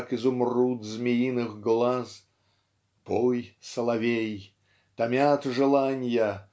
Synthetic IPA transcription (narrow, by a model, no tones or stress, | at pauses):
kɨzʊmrut̪zmʲɪjinɨɣɡlˠaz | pojsəlˠɐvʲej | t̪ɐmʲat̪ʐɨlˠanʲjə